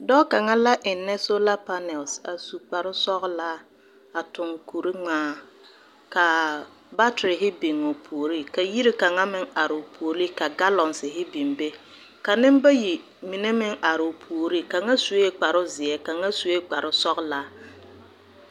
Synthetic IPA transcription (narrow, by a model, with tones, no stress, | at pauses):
dɔ˦ka˨ŋa˦la˦ʔɪ˨nːɛ˦so˦la˦pa˦nɛ˨lsa˨su˨k͡pa˨ɾʊ˦sɔ˦ɣla˦ | a˨tʊ˨ŋku˨ɾi˦ŋ͡maː˦ | ka˨ | ba˦tɾɪ˨ɦɪ˦bi˨ŋːo˨pʰu˨o˨ɾi˦ka˨ji˦ɾi˦ka˨ŋa˦mɪ˦ŋa˨ɾɪ˨ʊ˨pʰu˨o˨ɾi˦ka˨ɡa˦lɔ˨nsɪ˨ɦɪ˦bi˨mbe˦ | ka˨nɪ˦m˦ba˦ji˨ | mi˨ne˦mɪ˦ŋa˨ɾɪ˨ʊ˨pʰu˨o˨ɾi˦ka˨ŋa˦su˨e˦k͡pa˨ɾʊ˦zɪ˨ɛ˦ka˨ŋa˦su˨e˦k͡pa˨ɾʊ˦sɔ˦ɣla˦